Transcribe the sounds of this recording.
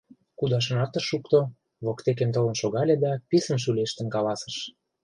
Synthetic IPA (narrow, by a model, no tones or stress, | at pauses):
kud̪ɑʃ̬ə̆nɑt̪ə̆ʃːukt̪o | βokt̪ek̬emt̪olə̆nʃoɣɑlʲed̪ɑpisə̆nʃ̬ylʲeʃt̪ə̆nkɑlɑsə̥̆ʃ